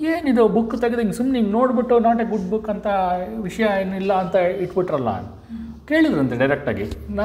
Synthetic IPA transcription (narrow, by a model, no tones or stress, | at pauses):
eːnid̪ubukːt̪ɐɡid̪eiŋɡsumniːŋɡnoːɽbiʈːunaːʈeɡuɖbukːɐnt̪ʰɐʋiʂɐjɐenilːɐːnt̪ɐiʈbiʈɾɐlːɐa̰n | ke̞ːɭid̪ɾeɐnt̪eɖɐjɾek̚ʈa̰ːɡḭna